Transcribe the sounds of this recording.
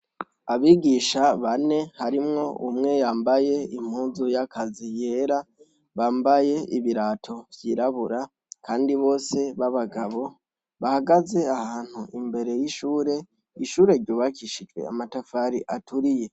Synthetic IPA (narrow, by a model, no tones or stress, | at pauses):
aβiːɡiːʃaβane̞haɾimŋo̞ʔumŋe̞jaːmbaje̞im̥huːnzujakʰazije̞ːɾa | βaːmbaje̞iβiɾaːtʰo̞vjiːɾaβuɾa | kʰaːndiβo̞ːse̞βaβaɡaβo̞ | βahaɡaze̞ahaːn̥huimbe̞ɾe̞jiʃuːɾe̞ | iʃuːɾe̞ɾɟoːβakiʃid͡ʒwḛa̰matafaːɾiʔatʰuɾije̞